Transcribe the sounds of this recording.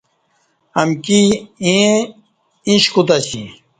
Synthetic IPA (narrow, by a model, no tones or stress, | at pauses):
hɐmkiẽ | ĩɕkut̪aɕḭ̃